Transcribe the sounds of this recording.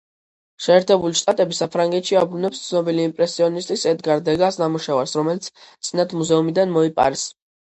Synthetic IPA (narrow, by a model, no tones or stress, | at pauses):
ʃɛːɾt̪ʰɛbuliʃt̪ʼat̪ʼɛbisapʰɾaŋɡɛt̪ʃiabɾunɛpst̪sʰnɔbiliːmpʼɾɛsiɔnist̪ʼisɛd̪ɡaɾd̪ɛɡasnamuʃavaɾsɾɔmɛlit̪sʰt̪sʼinat̪ʰmuzɛumid̪anmɔipʼa̰ɾɛs